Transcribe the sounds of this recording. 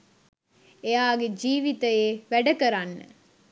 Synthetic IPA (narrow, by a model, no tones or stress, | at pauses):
ejaːɡed͡ʒiːʋit̪əjeːʋæɖəkəɾanːə̰